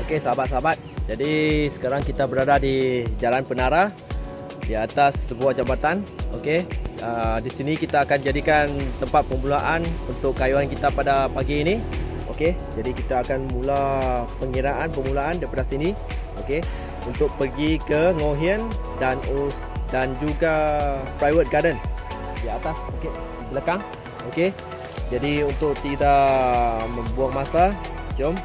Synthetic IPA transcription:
okesəabat̪̚səabat̪̚d͡ʒadisə̥kaɾaŋkit̪abəɾadadid͡ʒalanpənaɾa | diat̪asːəbuahd͡ʒamat̪anokeədisinikit̪aːkand͡ʒadikant̪əmpat̪̚pəmulaʔanunt̪ʊkːajuankit̪apadapaɡiːni | o̰ke | d͡ʒadikit̪aːkanmulapəŋiɾaʔanpəmulaandapadasini | oke | unt̪ʊk̚pərɡikəŋoɦiəndanus | dand͡ʒuɡapɾajwət̪̚ɡadən | ədiat̪asoke | bələkaŋ | oke | d͡ʒadiunt̪ʊk̚t̪idaʔmə̃mbuaŋmasa | d͡ʒom

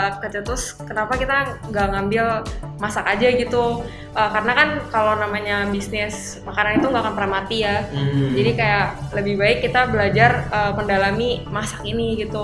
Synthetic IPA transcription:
kət͡ʃət̪ʊs | kənapakit̪aŋɡaʔŋambɪlmasakad͡ʒaɡit̪u | ʔəːkaɾənakankalownamaɲabisnɪs | makaɾanit̪uŋɡakanpəɾamat̪ijad͡ʒadikajaləbɪhbaɪkːit̪abəlad͡ʒarəːməndalamimasakiniɡit̪u

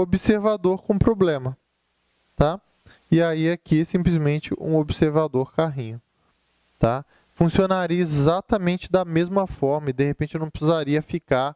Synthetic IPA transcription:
obiseɾvad̪oɾkõũpɾoblẽmɐ | t̪a | ɪaiɛkisĩplizmẽnt͡ʃɪʔṵ̃obiseɾvad̪oɾkaɦĩɲʊ | t̪a | fũsionaɾiɐezat̪ɐmẽnt͡ʃɪd̪ɐmezmɐfɔɾmɐɪd̪ehepẽnt͡ʃɪnɐ̃w̃pɾɪsizaɾiɐfikaɾ

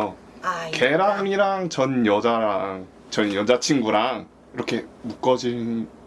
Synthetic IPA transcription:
o | ke̞ɾaniɾaŋt͡ɕʌnjʌd͡ʑaɾaŋ | t͡ɕʌnjʌd͡ʑat͡ɕʰinɡuɾaŋ | iɾʌkʰe̞muk͈ʌd͡ʑi

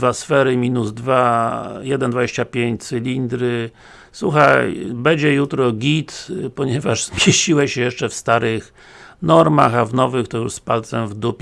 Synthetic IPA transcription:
vasfɛɾɘmʲinuzd̪vajɛd̪ɛnd̪vad͡ʑeɕt͡ɕapʲjeɲt͡ɕt̪sɛlʲind̪ɾɘ | swuxajbɛd͡ʑɛjut̪ɾɔɡʲit̪pɔɲɛvaʐz̥mʲjeɕt͡ɕiwɛɕɛjɛʂt͡ʂɛfst̪aɾɪx | nɔɾma̰xavnɔvɘxt̪ɔjuʂspalt̪sɛmvd̪upʲ

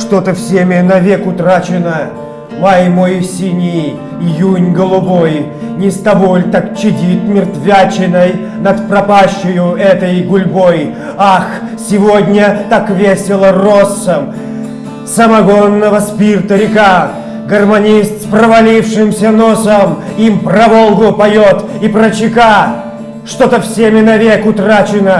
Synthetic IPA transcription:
ʂt̪ot̪əfsʲemʲɪnɐvʲekʊt̪ɾat͡ɕɪnə | majmojsʲinʲi | junʲɡəlˠʊboj | nʲɪst̪ɐbolʲt̪ak̚t͡ɕɪdʲit̪mʲɪrt̪vʲat͡ɕɪnəj | nət̪pɾɐpaɕːɪjʊɛt̪əjɡʊlʲboj | axsʲɪvod̪ʲnʲət̪akvʲesʲɪlˠərosːəm | səmɐɡonːəvəspʲirt̪əɾʲɪka | ɡərmɐnʲist̪sprəvɐlʲifʂɨmsʲənosəmimprɐvolˠɡʊpɐjot̪ipɾət͡ɕɪka | ʂt̪ot̪əfsʲemʲɪnɐvʲekʊt̪ɾat͡ɕɪnə

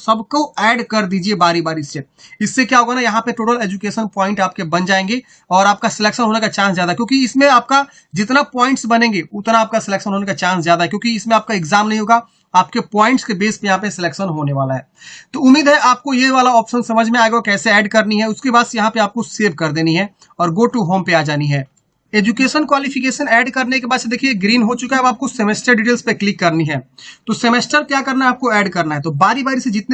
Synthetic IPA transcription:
sɐbkoɛːɖkɐɾd̪iːd͡ʒiebaːɾibaːɾisːe | ɪsːekjaɦoːɡanajɐɦãpeʈoːʈəleːd͡ʒukeːʃənpɔːɪ̃ɳʈaːp̚kebɐ̃nd͡ʒaːẽːŋɡe | ɔːɾaːp̚kasɪleːkʃənɦoːnekat͡ʃãːnszjaːd̪aɦɛkjõːkiɪsmẽaːp̚ka | d͡ʒɪt̪napɔːɪ̃ɳʈsbɐnẽːŋɡeʊt̪naaːp̚kasɪleːkʃənɦoːnekat͡ʃãːnszjaːd̪aɦɛkjõːkiɪsmẽaːp̚kaɪɡzaːmnɐɦĩɦoːɡa | aːpkepɔːɪ̃ɳʈskebeːspejɐɦãpesɪleːkʃənɦoːneʋaːlaɦɛːt̪oʊmːiːd̪ɦɛʔaːp̚kojeʋaːlaɔːpʃənsɐməd͡ʒʱmẽaːeɡaoɔkɛːseɛːɖkɐɾniɦɛʊskebaːd̪sejɐɦãpeaːp̚koseːʋkɐɾd̪eːniɦɛ | ɔːɾɡoːʈuɦoːmpeaːd͡ʒaːniɦɛː | eːd͡ʒukeːʃənkwaːlifɪkeːʃənɛːɖkɐɾnekebaːd̪sed̪eːkʰieɡɾiːnɦot͡ʃʊkaɦɛɐbaːp̚kosemeːsʈəɾɖiʈeːlzpeklɪkːɐɾniɦɛːt̪osemesʈəɾkjaːkɐɾnaaːp̚koɛːɖkɐɾnaɦɛt̪obaːɾibaːɾised͡ʒɪt̪ne

